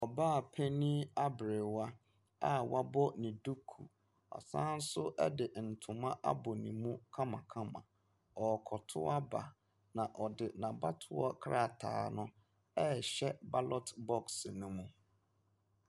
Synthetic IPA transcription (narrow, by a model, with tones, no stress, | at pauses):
ɔ˨ba˦˨pʰe˦nĩ˦a˦bɾɪ˨wa˦ | a˦wa˦bɔ˦nĩ˨du˦kʰu˨ | ɔ̰˨sãː˦n̩˦sʊ˦ʔɛ̰˦dɪ˨n̩˨tʰʊ̃˨mã˦ʔa˦bɔ˨nĩ˨mũ˦kʰã˦mã˨kʰã˦mã̰˨ | ɔ˨kʰɔ˨tʰʊ̰˦a˦ba̰˨ | nã˨ʔɔ˨dɪ˨nã˨ba˦tʰʊ˦ɔ̰˦kʰɾa˦˨tʰa̰ː˨˦nʊ̃˦ | ɛ˦˨ɕɛ˦ba˦lɔ˦tbɔ˦ksnũ˦mũ˦